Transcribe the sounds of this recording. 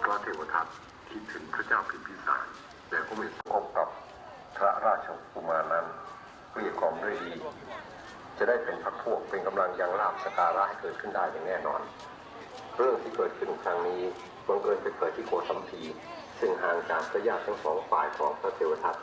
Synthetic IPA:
pʰɾa˦˥t̪ʰeː˧wa˧t̪ʰa˦˥t̪̚ | kʰi˦˥t̪ʰːɯ˩˦ŋpʰɾa˦˥t͡ɕaː˥˩wpʰi˨˧npʰiː˦˥˩sa̰ː˩˦n | lɛː˧˥˩kʰuː˧˥˩m˧e˨˩t̪̚sa˧˦kʰo˧˩p̚ka˨˩p̚ | pʰɾa˦˥ɾaː˥˩t͡ɕʰa˧ku˧maː˧nːa˦˥n | kuː˥˩i˨˩kʰaː˧˩mɾɯ˩˥˧jdiː˧˩ | t͡ɕa˨˩da˥˩jpe˨npʰa˦˥k̚pʰu˥˩ək̚pe˧nka˧mla˧ŋja˧ŋɾaː˥˩p̚sa˧kaː˧ɾa˦˥ʔha˥˩jkɤː˨˩t̪̚kʰɯ˥˩ndaː˥˩jːaː˨˩ŋnɛː˥˩nɔ̰ː˧nʰ | ɾɯ˥˩əŋt̪ʰiː˥˩kɤː˨˩t̪̚kʰɯ˥˩nkʰɾa˧˥ŋniː˦˥ | ba˧ŋkɤː˧npa˧˩kʰɤː˨˩t̪ʰːiː˥˩kʰu˨˩ək̪ʰa˨˦mpʰiː˧ | sɯ˥˩ŋɦaː˨˩ŋkaː˧nkɾa˧˥jaː˥˩t̪̚ʰːa˦˥ŋsɔ̰ː˩˦ŋfa̰ː˨˩jkʰɔː˩˦ŋpʰɾa˦˥t̪ʰeː˧wa˧t̪ʰa˦˥t̪̚

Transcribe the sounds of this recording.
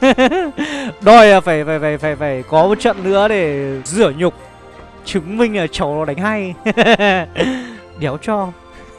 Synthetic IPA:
ɗɔ˨˧˩jaː˨˩faː˧˩jfaː˧˩jfaː˧˩jfaː˧˩jfaː˧˩jkɔ˨˦mo˨t̚t͡ɕə̰˧˨nnɨ̰˧˥əɗe˧˩zɨ˧˩əɲʊ˨˩k͡p̚ | t͡ɕɨ˨˦ŋmï˧ŋ̟aː˨˩t͡ɕə˨˦wɗa˨˦ŋ̟ɦa˧j | ɗɛ˨˦wt͡ɕɔ˧

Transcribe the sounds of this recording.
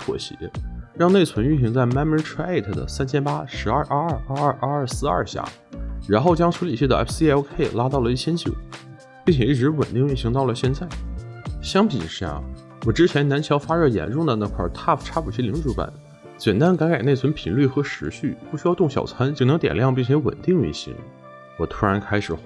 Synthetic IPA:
pʰwɔ̰˧˩ɕḭ˧˥ɻɑ˥˧ŋne˥˩t͡sʰwə˧˥ny˥˩nɕ̬i˧˥ŋt͡sa˥˩ɪma˥mə˥ʈ͡ʂʰwa˥e˥˩ɪt̪ʰə˩d̪ə̰˩sa˥nt͡ɕʰɛ˥npa˥ʂɻ̩˧˥ɐ˞˥˧ʔʔa˥˧ɐ˥˧˩ʔaː˥˧˥sɹ̩˥˧ɐ̰˞˥˩ɕja̰˥˩ | ɻa˧˥nxo˥˩ʊt͡ɕjɑ˥ŋʈ͡ʂʰu˧˥li˨˩ɕʰɛ˥˩d̪ə˧˩ɛ̰˥pʰsi˥ɛ˧˥ʊkʰe˥˩ɪla˥t̪ɑ˥˩ʊlə˩i˥˩t͡ɕʰjɛ˥nt͡ɕjo˨˩˦ʊ | pi˥˩ŋt͡ɕʰɛ˨˩i˥˩ʈ͡ʂɻ̩˧˥wə̰˨˩nt̪i˥˧ŋy˥˩nɕi˧˥ŋt̪ɑ˥˩ʊlə˩ɕjɛ˥˧nt͡sa˥˩ɪɕjɑ˥ŋpḭ˨˩ʂɻ̩˥˧˩a̰˥˩ | wɔ˨˩ʈ͡ʂɻ̩˥t͡ɕʰjɛ˧˥na˧˥nt͡ɕʰjɑ˧˥ʊfa˥ɻɤ˥˩jɛ̰˨˩nʈ͡ʂʊ˥˩ŋd̪ə˨˩na˥˧˩kʰwa̰˥˩t̪ʰa˥˩ʈ͡ʂʰa˥pʰu˨˩t͡ɕʰi˧˥li˧˥ʈ͡ʂu˧˥pa̰˨˩˦n | t͡ɕjɛ˨˩nt̪a˥nka˧˥nke˨˩ne˥˩t͡sʰwə˧˥npʰi˧˩nly˥˩xɤ˧˥ʂɻ̩˧˥ɕy˥˩pu˥˩ɕy˥jɑ˥˧ʊt̪ʊ˥˩ŋɕjɑ̰˨˩ʊt͡sʰwa˧˥nt͡ɕi˥˩nɤ˧˥ŋt̪jɛ̰˨˩ljɑ˥˧ŋp̬i˥˩ŋt͡ɕʰɛ˧˥wə̰˨˩nt̪i˥˧ŋy̰˥˩ɕḭ˧˥ŋ | wɔ˨˩t̪ʰu˥ɻa˧˥nkʰa˥ɪʂɻ̩˨˩

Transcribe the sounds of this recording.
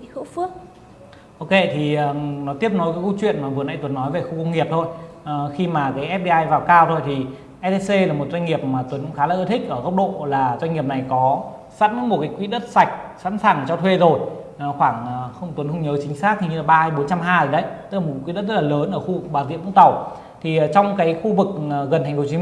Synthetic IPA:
ɨ̰˧˥fɨ˦˥ək̚ | ʔo˧wke˧˩t̪ʰi˨˩ə˨˩nɔ˨˦t̪i˦˥əp̚nɔ˨˦jkaː˨˦jkə˧wt͡ɕwḭ˧˨ənmaː˨˩vɨ˨˩əna̰˧˥t̪wə˨˦nːɔ˨˦jve˨˩xu˧kə˧wŋ͡mŋi˨˩əp̚t̪ʰo˧jxi˧maː˨˩kaː˨˦jʔɛ˦˥p̚ɗi˧ʔaː˧jvaː˨˩wkaː˧wt̪ʰo˧jt̪ʰi˨˩ | ʔɛ˧te˧se˧laː˨˩mo˨˩t̚zwa˧jŋ̟ŋi˨˩əp̚maː˨˩t̪wə˨˦nkʊ̰˧˥ŋ͡mxaː˨˦laː˨˩ʔə˧t̪ʰï˦˥k̟̚ʔəː˧˩ɣə˦˥wk͡p̚ɗo̰˧˨laː˨˩zwa˧ŋ̟ŋi˨˩əp̚na˨˩jkɔ˨˦ | saː˧˥t̚mɨ˧˦˥nmo˨˩kaː˨˦jkwi˧˥ɗə˦˥t̚sa˨˩jk̟̚sa̰˧˥nsaː˧˩ŋt͡ɕɔ˧wt̪ʰwe˧zo˨˩j | xwaː˧˩ŋ˨˩xə˧wŋ͡mt̪wə˨˦nxə˧wŋ͡mɲəː˨˦t͡ɕï˨˦ŋ̟saː˦˥k̪̚ʰi˨˩ɲɨ˧laː˨˩ɓaː˧ha˧jɓo˨˦nt͡ɕa˧mɦaː˧jəː˨˩ɗə˨˦jt̪ɨ˥k̚laː˨˩m̚˨˩˨kwḭ˧˥ɗə˦˥zə˦˥t̚laː˨ləː˨˦nʔəː˧˩xu˧vk̚ɓaː˧˩nzḭ˧˨mʊ̰˧˥ŋ͡mt̪ə˨˩w | t̪ʰi˨˩˨t͡ɕɔ˧wŋ͡mkaː˨˦jxu˧vɨ˨˩k̚ːɣə˨˩nt̪ʰa˨˩ŋ̟fʰt͡ɕi˨˦

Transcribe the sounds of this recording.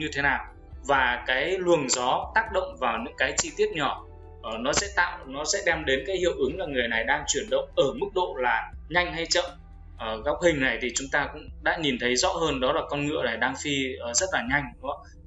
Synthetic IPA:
ɲɨ˧t̪ʰe˨˦naː˨˩w | vaː˨˩kaː˨˦jlwu˨˩əŋzɔ˨˦t̪aː˦˥k̚ɗə̰˧˨wŋ͡mvaː˨˩wɲɨ̰˧˥ŋkaː˨˦jt͡ɕi˧t̪i˦˥ət̚ɲɔ˧˩˨ | nɔ˨˦sɛ̰˧˥t̪a̰ː˧˨wnɔ˨˦sɛ̰˧˥ɗɛ˧mɗe˨˦nkaː˨˦jhḭ˧˨əwʔɨ˨˦ŋlaː˨˩ŋɨ˨˩əjna˨˩jɗaː˧ŋt͡ɕwi˧˩ənɗə̰˧˨wŋ͡mʔəː˧˩mɨ˦˥k̚ɗo̰˧˨laː˨˩ɲa˧jŋ̟ɦa˧jt͡ɕə̰˧˨m | ʔɣa˦˥wk͡p̚hï˨˩ŋ̟na˨˩jt̪ʰi˨˩t͡ɕʊ˨˦ŋ͡mt̪aː˧kʊ̰˧˥ŋ͡mɗa̰ː˧˥ɲi˨˩nt̪ʰə˨˦jzɔ̰˧˥həː˧nɗɔ˨˦laː˨˩kɔ˧nŋɨ̰˧˨əna˨˩jɗaː˧ŋfi˧əː˨˩zə˦˥t̚laː˨˩ɲa˧jŋ̟nɨ̰˧˥ə

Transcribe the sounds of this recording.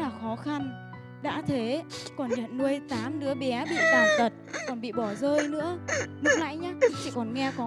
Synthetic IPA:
laː˨˩xɔ˨˦xa˧n | ɗa̰ː˧˥t̪ʰe˨˦kɔ˨˩nɲə̰˧˨nnu˧əjt̪aː˨˦mɗɨ̰˧˥əɓɛ˨˦ɓḭ˧˨t̪aː˨˩nt̪ə˨˩t̚kɔ˨˩nɓḭ˧˨ɓɔ˧˩zəː˧jnɨ̰˧˥əmɨ˦˥k̚la̰ː˧˨jɲaː˨˦˧t͡ɕḭ˧˨kɔ˨˩nŋɛ˧kɔ˨˦

